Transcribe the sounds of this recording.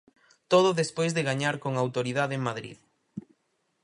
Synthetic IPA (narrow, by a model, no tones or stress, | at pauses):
t̪oð̞ʊðespojzðɪɣaɲaɾkoŋawt̪oɾiðaðeŋmaðɾḭð